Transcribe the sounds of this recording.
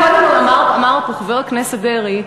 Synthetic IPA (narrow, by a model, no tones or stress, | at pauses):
aknamaʁamaʁpoχveʁkneset̚d̪eʁi